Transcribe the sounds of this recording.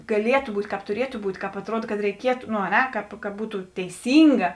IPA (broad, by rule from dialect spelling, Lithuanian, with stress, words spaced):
ɡɐˈlʲiɛtʊ ˈbuːtʲ ˈkɑːp tʊˈrʲiɛtʊ ˈbuːtʲ kɑːp ɐtˈruɔt kɐt rʲɛɪˈkʲiɛtʊ noː ɐ ˈnʲɛ ˈkɑːp kɐ ˈbuːtʊ tʲɛɪˈsʲiːŋɡɐ